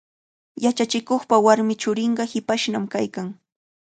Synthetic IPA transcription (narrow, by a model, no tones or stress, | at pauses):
jat͡ʃat͡ʃɪkoχpawaɾmɪt͡ʃʊɾɪɴɢɑhɪpaʃnamkajkaŋ